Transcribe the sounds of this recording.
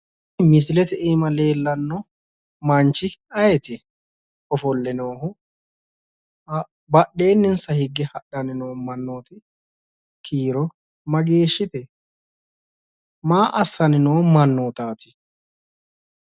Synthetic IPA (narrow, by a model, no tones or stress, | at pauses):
mɪs̬lɛt̪ɛʔiːmɐle̞ːlːɐnːɔ | mɐnt͡ʃɪɐjɛt̪ɪ | ɔfɔlːɛnoːhʊ | bɐɗe̞ːnːɪnsɐhɪɡːɛhɐɗɐnɪnoːmɐnːoːt̪ɪ | kʰiːɾɔ | mɐɡe̞ːʃːɪt̪ɛ | maːʔɐsːɐnɪnoːnmɐnːoːt̪aːt̪ɪ̥